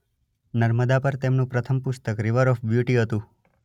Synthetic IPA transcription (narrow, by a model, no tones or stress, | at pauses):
nəɾməd̪apəɾt̪emnũpɾət̪ʰəmpʊst̪əkɾiʋəɾɔfbjuʈiɦət̪ũ